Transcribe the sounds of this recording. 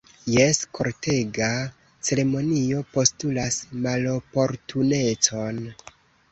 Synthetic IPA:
jeskʰo̞ɾte̞ɡa | t͡se̞ɾe̞mo̞nio̞po̞stulasmalo̞po̞ɾtʰune̞t͡so̞n

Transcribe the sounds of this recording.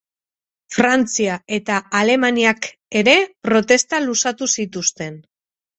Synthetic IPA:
fɾant͡siae̞t̪aale̞maniak | e̞ɾe̞pɾo̞t̪e̞st̪alusat̪usit̪ust̪e̞n

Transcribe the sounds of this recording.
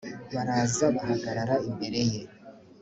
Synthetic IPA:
βaɾaːzaβaɦaɡaɾaɾaimbe̞ɾe̞je̞

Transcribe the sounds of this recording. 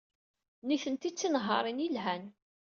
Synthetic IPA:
niθənt̪it͡sːinəɦːɑ̰ɾˤinjilɦæn

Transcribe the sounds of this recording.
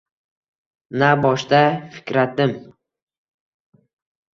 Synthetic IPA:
nabɒʃt̪afɪ̥kʲɾat̪̚d̪ɪm

